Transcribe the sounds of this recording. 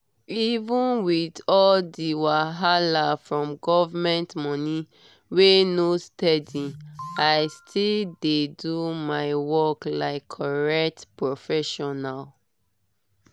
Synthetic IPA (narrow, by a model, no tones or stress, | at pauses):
ivũnwidɔldiwaɦalafɹɔ̃mɡɔvamɛ̃ntmɔ̃ni | wenostɛdiaɪstʰildedumaɪwɔklaɪkʰːɔɹɛk̚tpɹofɛʃɔnal